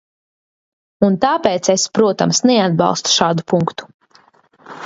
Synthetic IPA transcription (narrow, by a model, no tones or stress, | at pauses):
unt̪aːpeːt̪sespɾuɔt̪amsnɛad̪̚bɑ̰lˠst̪u̥ʃaːd̪upuŋkt̪u̥